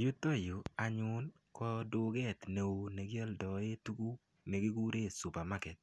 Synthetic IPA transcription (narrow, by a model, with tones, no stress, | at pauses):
ju˦t̪o˦jʊ˨a˨ɲʊ˦n | kɔ˦dʊ˨ɡɛ˦t̪ne˨o˨nɛ˨ɡjɛ˦ldɔ˨e˦tu˦ɡu˦ | mɛ˨ɡɪ˦ɡu˦ɾe˦˨su˨pa˨ma˦kɛ˨t̪̚